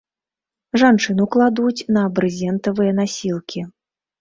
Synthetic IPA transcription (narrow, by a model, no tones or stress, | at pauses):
ʐant͡ʂɨnuklˠad̪ujt͡sʲnɐːbɾɨzʲɛnt̪ɐvɨjɐn̪asʲilˠkʲi